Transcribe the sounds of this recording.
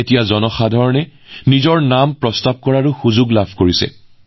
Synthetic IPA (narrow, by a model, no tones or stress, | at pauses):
etijazɔnɔxadʱɔɹɔnɛ | nizɔɹnampɹɔstab̚kɔɹaɹuxuzuɡlabʱkoɹisɛ̰